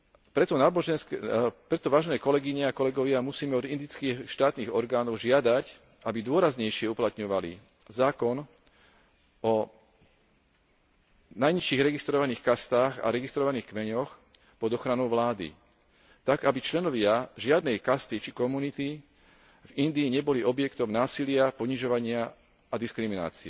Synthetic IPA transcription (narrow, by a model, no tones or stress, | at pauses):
pɾɛt̪ɔnaːbɔʒɛnskpɾɛt̪ɔʋaːʒɛnɛːkɔlɛɡiɲɛakɔlɛɡɔʋɪamusiːmɛɔd̪ind̪iːt͡skiːxʃt̪aːt̪niːɣɔɾɡaːnɔʊʒɪad̪ac | ʔabid̪ʊɔɾazɲɛjʃɪɛuplat̪ɲɔʋalḭ | zaːkɔn | ɔ | najɲiʃiːɣɾɛɡist̪ɾɔʋaniːxkast̪aːɣa̰ɾɛɡist̪ɾɔʋaniːxkmɛɲɔx | pɔd̪ɔxɾanɔʊʋlaːd̪ḭ | t̪aɡabit͡ʃlɛnɔʋɪaʒɪad̪nɛjkast̪it͡ʃikɔmunit̪i | vind̪iːɲɛbɔliʔɔbjɛkt̪ɔmʊnaːsilɪapɔɲiʒɔʋaɲɪaː | d̪iskɾimina̰ːt͡siɛ̰